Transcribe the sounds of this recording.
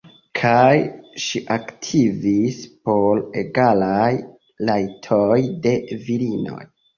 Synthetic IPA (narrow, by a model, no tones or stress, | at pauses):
kʰajʃiʔaktʰivispo̞le̞ɡalaj | lajtʰojde̞viɾino̞̰j